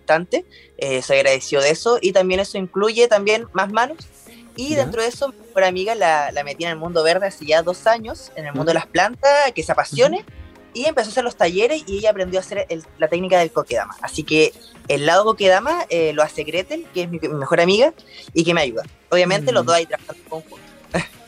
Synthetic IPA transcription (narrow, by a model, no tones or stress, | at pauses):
ot̪ant̪e | esoajɣɾaðesioðesoʔit̪ambje̞neso̞iŋkluʝet̪ambje̞nmazmanos | iðent̪ɾoðesomimexo̞ɾamiɣalalamet̪ienelmũnd̪oβeɾðeaseʝaðo̞saɲosenelmund̪oelaplant̪askeseapasjo̞ne | iempesoaseɾlost̪aʝeɾesiejaːpɾend̪joase̞ɾellat̪e̞knikaðelkokeða̰ma̰a̰sikeː | lːaðoko̞keðamaeloaseɣɾet̪elkeesmimimexo̞ɾamiɣa | ikemeaʝuða | oβjamẽ̞nt̪eloðosajt̪ɾaβaxand̪okoŋxunt̪o̥